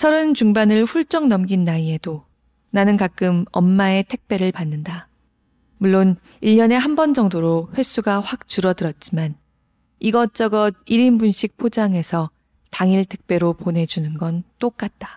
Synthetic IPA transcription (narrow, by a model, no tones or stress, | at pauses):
sʰʌɾɯnt͡ɕuŋbanɯɭɸuɭt͡ɕ͈ʌŋnʌmɡinːaie̞do | nanɯnkak͈ɯmʌmːae̞tʰe̞k̚p͈e̞ɾɯɭpanːɯnda | muɭːon | iʎːʌne̞ɦambʌnd͡ʑʌŋdoɾoɸwe̞s͈ʰuɡaɸwak̚t͡ɕuɾʌdɯɾʌt̚t͡ɕ͈iman | iɡʌt͡ɕ͈ʌɡʌd̚iɾimbunɕʰik̚pʰod͡ʑaŋe̞sʰʌ | taŋiɭtʰe̞k̚p͈e̞ɾopone̞d͡ʑunɯnɡʌnt͈ok͈at̚t͈ḁ